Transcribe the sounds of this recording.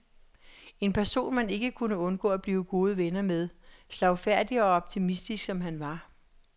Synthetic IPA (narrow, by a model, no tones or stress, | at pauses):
e̝npʰæɐso̝̰ːnmæne̝ɡ̥əkʰunəɔ̽nɡ̥ɔ̰ːæb̥liːʊɡ̥o̝ːð̞ˠəʋenɐmeð̞ˠslɑ̈ʊfæɐ̰d̥iɒ̽ɒ̽b̥̚t͡sʰimisd̥isɡ̥sɒ̽mɦænʋɑ̈